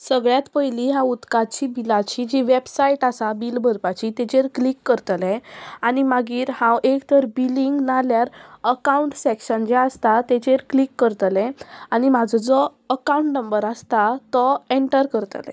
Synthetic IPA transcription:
səɡɭjat̪pəjliɦaut̪kat͡ɕibilat͡ɕid͡ʑiʋebsaiʈasabiːlbʱəɾpat͡ɕit̪ɛt͡ɕeɾklikːəɾt̪lɛ̃animaɡiːɾhãwʔekt̪əɾbiliŋɡnaljaɾəkauɳʈsekɕənd͡ʑeast̪at̪ɛt͡ɕeɾklikːəɾt̪lɛ̃añimad͡zɔd͡zɔ | əkaũɳʈnəmbəɾast̪at̪ɔeɳʈəɾkəɾt̪ə̰lɛ̰̃

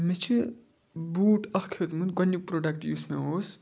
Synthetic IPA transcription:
met͡ʃʰi | buːʈʌkkʰot̪mut̪ɡʌnːjuk̚pɾoɖɐkʈjusmaɦoːs

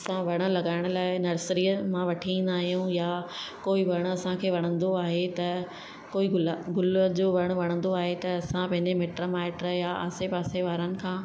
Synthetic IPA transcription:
ɐsãʋɐɽ̃ə̆lɐɡaːɪɽ̃ʊ̆laːɪnɐɾsɾiːəmãʋɐʈʰiĩːn̆d̪aːɦijũjakoːiʋɐɽ̃ɐsãkʰeːʋɐɽ̃ə̃nd̪oaːɦet̪ɐ | koːiɡʊlɡʊləd͡ʑoːʋɐɽ̃ʊ̆ʋɐɽ̃ə̃nd̪oaːɦet̪ɐɐsãpɐ̃ɦɪ̃ɲd͡ʑemeːʈɾomaːɪʈɾəjaʔa̰ːsepaːseʋaːɾənɪ̆kʰãː

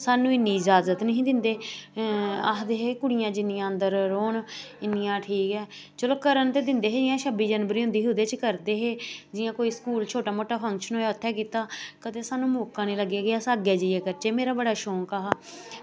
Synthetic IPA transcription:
saːnũːɪnːiːɪd͡ʒaːzət̪nəɦĩːd̪ɪnd̪eː | a̰ːd̪eːɦeːkʊɽɪjãːd͡ʒɪnːijãːənd̪əɾːoːɳɪnːɪjãːʈʰiːkɛː | t͡ʃəloːkəɾənt̪eːd̪ɪnd̪eːɦeːd͡ʒɪjãːʃəbiːd͡ʒənʋəɾiːɦʊ̃nd̪iːɦʊd̪eːt͡ʃkəɾd̪eːɦeːd͡ʒɪjãːkoːiːskuːlt͡ʃʰoːʈaːmoːʈaːpʰəŋkʃənɦoːjaːʊt̪ʰːɛːk̬iːt̪aːkət̪eːsaːnũːmoːkãːnĩːləɡːeːɡɪjaːsaːɡeːd͡ʒijeːkəɾt͡ʃeːmeːɾaːbəɽaːʃoːŋkaːɦa

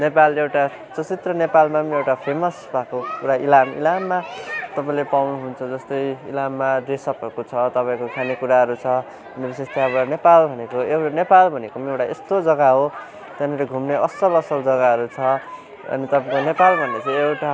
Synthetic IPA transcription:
nepalewʈa | t͡sʌt͡sit̪rʌnepalmamewʈapʰemʌsbʱakokuɾailamḭlamːat̪ʌpãĩlepawnuɦunt͡sʰʌd͡zʌst̪ʌjḭlamːaɾesʌpʌkot͡sʰʌt̪ʌpaĩkokʰanikuɾaɦʌɾut͡sʰʌ | ʌnbisest̪ʰaʌβʌnepalbʱʌnekoewʈanepalbʱʌnekomeewʈaest̪od͡zʌɡaɦo | t̪janʌɾeɡʱumneʔʌsʌlʌsʌld͡zʌɡaɦʌɾut͡sʰʌ | ʌ̰nit̪ʌpãĩkonepalbʱʌnːet͡sʰʌewʈa

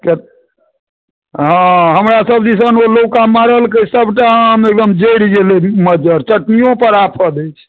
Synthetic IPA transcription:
ket | ɦãɦəmɾasəbd͡ʒisənolowkamaɾəlkəsəbʱʈaɦəmek̚d̪əmd͡ʒeɽd͡ʒeleməd͡ʒəɾt͡ʃəʈnijõpəɾapʰəd̪əjt͡ʃʰ

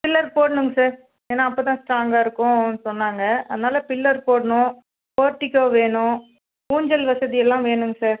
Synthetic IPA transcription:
pɪlːɐɾpoːɽɐɳɯŋɡɐsaːɾ | eːnːaːɐpːoːt̪ãːsʈɾaːŋɡaːɪɾɯkːʊ̃nːɯsɔnːaːŋɡɐɐ̰ðɐnaːlɐpɪlːɐɾpoːɽɐɳʊ̃ | poːɾʈːɪkːoːʋeːɳʊ̃ | kuːɲd͡ʒɐlʋɐsɐðɪjɛlːãːʋeːɳɯŋɡɐsaːɾ

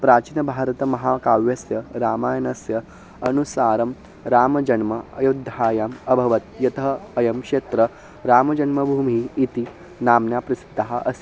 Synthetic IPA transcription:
pɾaːt͡ʃinɐbʱaːɾt̪ɐmɐɦaːkaːʋjɐsjɐɾaːmaːjɐnɐsjɐ | ɐnusaːɾɐm | ɾaːmɐd͡ʒɐnmɐɐ̰jud̪ʱaːjaːmɐbʱɐʋɐt̪jɐt̪ɐɦːjɐmkʂeːt̪ɾɐ | ɾaːmɐd͡ʒɐnmɐbʱuːmiːt̪i | naːmnjaːpɾɐsi̥d̪ʱːɐɦaʔɐsi̥

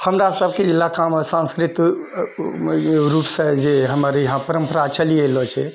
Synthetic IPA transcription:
həmɾasəb̚ʱkeilakaməsãnskɾit̪ | ɾupsə̃d͡ʒeɦəməɾjəɦãpəɾəmpəɾat͡ʃəlielɔt͡ʃʰɛ

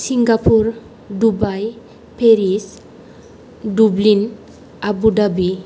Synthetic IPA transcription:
siŋɡapʰuɾ | dubaj | pʰeɾis | dublin | abudabi

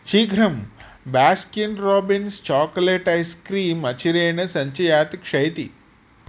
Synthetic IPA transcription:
ʃiːɡʱɾɐm | baːskjunɾɔːbinst͡ʃaːkleːʈɐjskɾiːmɐt͡ʃiɾeːɳɐsɐɲt͡ʃɐjaːt̪kʂɐjt̪ḭ

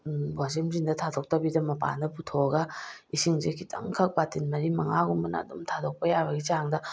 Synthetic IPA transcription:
bwasimzindɐtʰadok̚tɐbidɐmɐpa̰ndɐputʰoɡɐisiŋzekʰitʰɐ̰ŋkʰɐk̚patinmɐɾimɐŋaɡumbɐnɐ̰ːdumtʰadok̚pɐjaβɐɡit͡ʃaŋdɐ

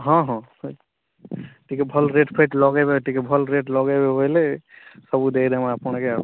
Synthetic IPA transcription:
ɦɔ̃ɦɔ̃ | ʈʰikebʱəlɾeʈpʰeʈlɔɡebeʈikebʱəlɾeʈlɔɡebeɦojlesəbud̪ekd̪emeapñkea

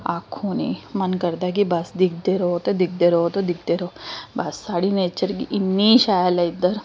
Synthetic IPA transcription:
akʰonḭmɐnkəɾd̪ak̬ibasd̪ik̚ʰd̪eɾot̪od̪ik̚d̪eɾot̪od̪ik̚d̪eɾobasːaːɽinet͡ɕəɾkiʔinːiɕajalaid̪əɾ

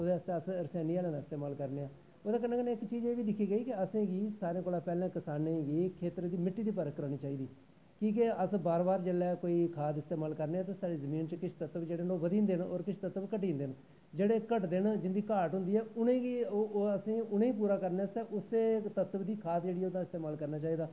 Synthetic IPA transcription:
oːd̪eːəst̪eːəsəɾsaːniːaːlẽːnaːɪst̪eːmaːlkəɾneːãː | oːd̪aːkənːãːkəneːɪkt͡ʃiːd͡ʒeːʋiːd̪ɪkʰːiːɡəiːkɪəsẽːɡiːsaːɾẽːkoːlaːpɛːlãːkɪsaːnẽːɡiːkʰeːt̪ɾed̪iːmɪʈːiːd̪iːpəɾəkːəɾaːniːt͡ʃaːiːd̪iː | kĩːk̬ɪəsbaːɾbaːɾd͡ʒəlɛːkoːiːkʰaːt̪ɪst̪eːmaːlkəɾneːaːt̪̬ãːsaːɽiːzəmĩːnt͡ʃkɪt͡ʃʰt̪ət̪əbd͡ʒeːɽenoːʋəd̪ĩːnd̪eːno̰ːɾkɪt͡ʃʰt̪ət̪ːəbkəʈiːnd̪en | d͡ʒeːɽeːkəʈd̪ɪnd͡ʒɪnd̪iːkaːʈɦʊ̃nd̪iːɛːʊnẽːɡiəsĩːʊnẽːiːp̬uːɾaːkəɾneːəst̪ɛːʔʊst̪eːt̪ət̪əbd̪iːkʰaːt̪d͡ʒeːɽiːɛːʊd̪ãɪst̪eːmaːlkəɾnaːt͡ʃaːiːd̪aː

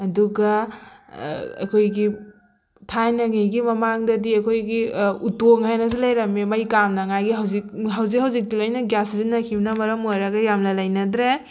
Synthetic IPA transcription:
ɐduɡɐ̰ | ɐ̰kʰojɡi | tʰajnɐŋijɡimɐmaŋdɐdiɐkʰojɡiutoŋajnɐs̬ilɐjɾɐmemɐjkamnɐŋajɡiɦawzik̚ɦawzikɦhawzik̚dilojnɐɡjaszinɐkʰimnɐmɐɾɐmojɾɐɡɐjamlɐlɐjnɐdɾe

